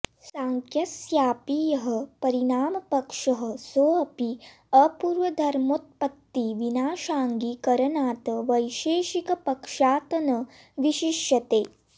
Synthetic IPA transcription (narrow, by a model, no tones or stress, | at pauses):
sãːŋkʰjɐsjaːpijɐɦə̆pɐɾinaːmɐpɐkʂɐɦə̆soːɐpi | ɐpuːɾʋɐd̪ʱɐɾmot̪̚pɐt̪ːiʋinaːʃaːŋɡikɐɾɐnaːt̪ʋɐjʃeːʃikɐpɐkʂaːt̪ɐnɐ | ʋiʃiʃjɐt̪eː